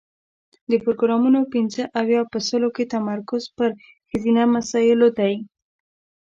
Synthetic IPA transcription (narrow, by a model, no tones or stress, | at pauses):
d̪əpɾoɡɾɑmunopinzəʔawjɑpəsəloket̪amaɾkʊzpəɾ | xɪzinamasɑjɪlot̪aji